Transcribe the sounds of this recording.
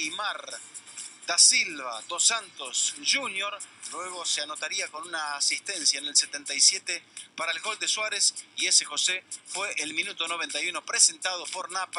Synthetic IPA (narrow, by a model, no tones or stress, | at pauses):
jmaɾ | d̪̥asilβad̪osant̪osʒunjo̞ɾlweɣ̞o̞seano̞t̪aɾiako̞nunaːsist̪ensjaenelset̪e̞nt̪ajsjet̪epaɾaelɣo̞ld̪eswaɾesiesexo̞sefweʔelmĩnut̪o̞no̞β̞e̞nt̪ajuno̞pɾese̞nt̪að̞opo̞ɾnap